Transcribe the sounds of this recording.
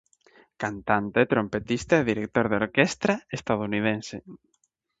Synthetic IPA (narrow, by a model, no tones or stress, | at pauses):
kant̪ant̪eet̪ɾompet̪ist̪aeðiɾek̚t̪oɾðoɾkest̪ɾaest̪aðounið̞ense